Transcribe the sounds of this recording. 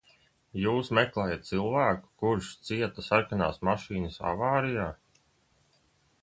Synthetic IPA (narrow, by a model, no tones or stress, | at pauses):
juːsmɛklˠɛːjat̪̚t̪silˠvæːku̥kuɾʃt̪siɛt̪asaɾkana̰ːsmaʃiːnəsa̰vaːɾijaː